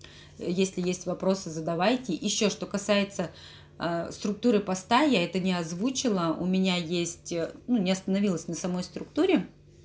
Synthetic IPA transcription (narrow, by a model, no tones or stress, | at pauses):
jesʲlʲɪjesʲtʲvɐpɾo̞sɨzəd̪ɐvajtʲɪjɪɕːo̞ʂt̪o̞kɐsajɪt̪sə | st̪ɾʊk̚t̪uɾɨpɐst̪ajaɛt̪ənʲɪɐzvut͡ɕɪlˠəʊ̰mʲɪnʲajesʲtʲnunʲɪɐst̪ənɐvʲilˠəsʲnəsɐmo̞jst̪ɾʊk̚t̪uɾʲɪ